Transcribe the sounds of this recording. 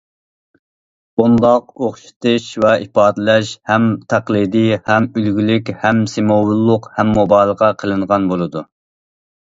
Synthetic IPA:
bund̪ɑq̚oχʃi̥t̪ʰɨʃvɛʔipɑːd̪ɨlɛʃhɛmt̪ʰæqlˠid̪ijhɛmylɡʲilykʲhɛmsemowulˠːʊqhɛmːobɑːlˠʁɑqʰəlˠɨɴʁɑnbolˠɨd̪u

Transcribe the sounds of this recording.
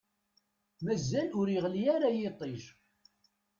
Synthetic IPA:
mæzːælʊɾiʁlijæɾajet̪ˤːiʒ

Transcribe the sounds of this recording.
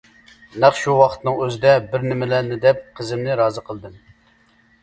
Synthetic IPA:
næqʃuwɑqʰə̥t̪nɨŋøzɪd̪ɛbɪɾnɪmɪlænɪd̪ɛp̚qʰəzɪmnɪɾɑːzɨqʰəlˠd̪ɨm

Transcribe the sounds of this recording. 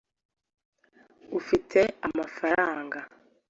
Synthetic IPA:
ufitʰe̞amafaɾaːŋɡa

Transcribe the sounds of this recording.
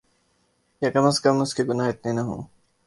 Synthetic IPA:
jakɐməskɐmʊskeɡʊnaːɦɪt̪nenɐɦṵ̃ː

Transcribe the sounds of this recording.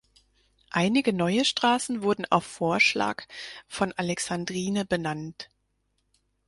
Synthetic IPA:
ʔaɪnɪɡənɔʏəʃtʁ̥aːsn̩vʊɐdn̩a̰ʊfːoːɐʃla̰ːkfɔnʔalɛksandʁiːnəbənant

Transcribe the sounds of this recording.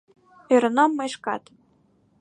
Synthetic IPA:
eɾɤ̆nomːeʃkɑ̰t̪

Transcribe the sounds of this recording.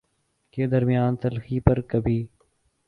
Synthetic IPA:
keːd̪əɾmɪjaːnt̪əlxiːpəɾkəbʱiː

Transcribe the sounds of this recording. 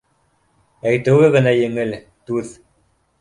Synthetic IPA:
æjt̪ɘ̆wɘɣɘ̆næjɘ̆ŋɘl | t̪uð

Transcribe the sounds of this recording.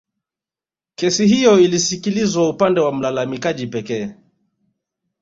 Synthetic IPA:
kɛsiɦijɔilisikilizwaupandɛwam̩lalamikaʄipɛkɛː

